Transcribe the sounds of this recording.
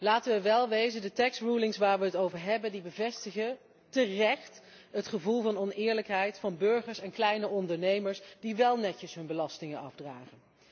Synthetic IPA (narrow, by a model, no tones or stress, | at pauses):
laːtənʋəʋɛlˠʋejzəndətɛksrulɪŋsʋaːɹʋəɦətowvəɹɦɛbəndibəvɛstəχə | tərɛχt | ɦətχəvulˠvɑnɔnɪːɹləkɦɛjtfɑnbɵɹχəɹsɛnklɛjnəʔɔndəɹnejməɹsdiʋɛlˠnɛcəsɦɵnbəlɑstɪŋənɑ̰fdraːχən